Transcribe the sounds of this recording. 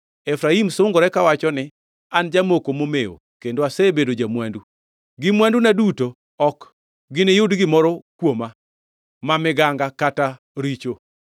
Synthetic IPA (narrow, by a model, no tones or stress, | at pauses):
efɾaimsʊŋɡɔɾɛkawat͡ʃɔnɪ | and͡ʒamokomomeo̰kendoasebedod͡ʒamwandu | ɡɪmwandunaduto | ɔk | ɡɪnɪjʊdɡɪmɔɾɔkwoma | mamɪɡaŋɡakata | ɾit͡ʃo